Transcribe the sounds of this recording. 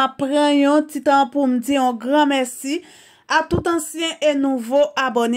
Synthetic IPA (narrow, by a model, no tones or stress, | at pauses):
apːʁãjɔ̃tit̪ãpum̩d͡ziɔ̃ɡʁãmɛsi | at̪ut̪ãsjɛ̃ʔenuvoʔabone